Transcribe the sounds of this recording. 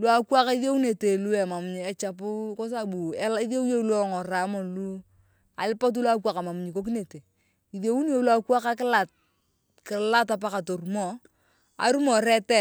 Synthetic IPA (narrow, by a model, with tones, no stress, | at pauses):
lwa˦kwa˦ka˦i˦ðjo˦wne˨te˨lu˦ɛ˨ma˨m˨ɲi˨ɛ˨t͡ʃa˨p̬ʊ˦ko˦s̬a˦bu˨ɛ˦li˦ðe˦wjo˦lwɔ˦ŋɔ˨ra˨˦mɔ˨nlu˦ | a̰˨lɪ˦pa˦t̬u˦lwa˦k̬wa˨ka˨ma˨m˨ɲi˨ko˦k̬i˦ne˨te˨ | i˨ðo˨˦wu˦njo˨la˦kwa˦ka˦kɪ˦la˨t̚ | kɪ˨la˦ta˨p̬a˦ka˨to˨ɾu˨mɔ˦˨ | a̰˨ɾu˦mɔ˨ɾɛ˦tɛ˦